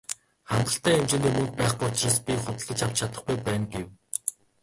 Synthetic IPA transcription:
χæmɢ̪ə̆ɬt̪ʰæːemt͡ɕĕnimɵ̆ŋk̚pæːχujʊt͡ɕraːspʲiχʊt̪ə̆ɮə̆t͡ɕʰaw̥t͡ɕt͡ɕʰat̪ə̆χɡujpæːnɡew

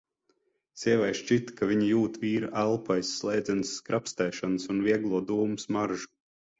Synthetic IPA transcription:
siɛvɛjʃt͡ʃit̪kavʲiɲijuːt̪viːɾaʔælˠpajsːlˠɛjd̪zʲɛnsːkɾapst̪ɛːʃansunviɛɡlˠuɔd̪uːmusmaɾʒu̥

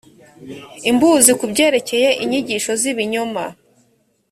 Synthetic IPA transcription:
imbuːzikubɟe̞ːɾe̞ce̞je̞ʔiɲiɟiʃo̞ziβiɲoma

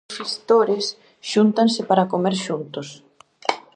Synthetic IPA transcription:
fist̪oɾɪs | ʃunt̪ansɪpaɾakomeɾʃunt̪ʊs

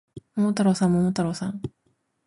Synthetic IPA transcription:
momot̪aɾoːsãmomot̪aɾoːsãŋ

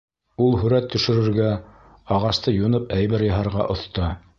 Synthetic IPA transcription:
ulˠɦɵ̆ɾæt̪ʰːɵ̆ʃɘ̆ɾɘ̆ɾɡæ | ɑʁɑst̪ɤjunɤpæjβæɾjɑ̆ɦɑɾʁɑ̰ʔŏθt̪ɑ

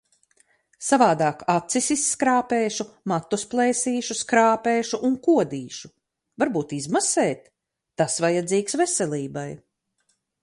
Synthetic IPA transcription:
savaːd̪aːkat̪sisisːkɾaːpeːʃumat̪ːusplˠɛːsiːʃuskɾaːpeːʃuʔuŋkuɔd̪iːʃu̥ | vaɾbuːt̪izmasɛːt̪ː | asvajad̪ziːksvɛsɛlʲiːbaj

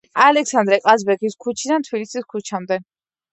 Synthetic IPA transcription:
alɛksand̪ɾɛqʼazbɛkʰiskʰut͡ʃʰid̪ant̪ʰbilisiskʰut͡ʃʰamd̪ɛ

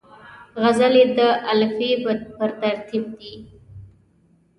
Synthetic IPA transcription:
ɣazaled̪əʔalfipəɾt̪aɾt̪ʰib̚d̪i

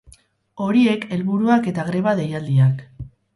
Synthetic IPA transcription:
o̞ɾie̞ke̞lβuɾuake̞t̪aɣɾe̞βaðe̞jald̪iak

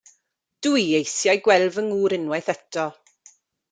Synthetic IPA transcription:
d̥ujejθjajɡwɛlˠvəŋuːɾɪnwɛjθɛtʰɔ

